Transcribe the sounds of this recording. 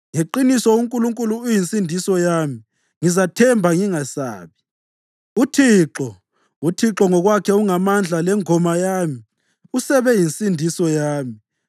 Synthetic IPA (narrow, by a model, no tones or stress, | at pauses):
ŋeǃinisɔuŋkʼuluŋkʼuluːjinsʼindʱisɔjaːmi | ŋizatʰɛmbʱaŋiŋasa̰ːβi | utʰiːǁɔ | utʰiǁɔŋɔɣwakʰɛuŋamand͡ɮʱalɛŋʱɔmajaːmi | usɛβɛjinsʼindʱisɔjaːmi